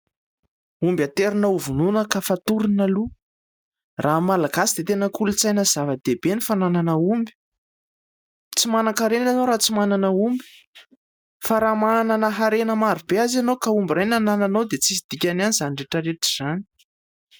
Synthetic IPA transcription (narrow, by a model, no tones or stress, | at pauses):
umbat̪eɾinauvununəkafat̪uɾinalu | rʔamalaɡasid̪et̪enəkulut͡sajnəz̥avəd̪̥ebenifanananəumbi̥ | t͡simanakaɾenanoɾat͡simananəumbi̥ | faɾamananəɦaɾenəmaɾibeazanowkaumbirajnanananod̪et͡sisid̪̥ikʲananizaniɳɖ͡ʐeʈ͡ʂəɾeʈ͡ʂi̥z̥ani̥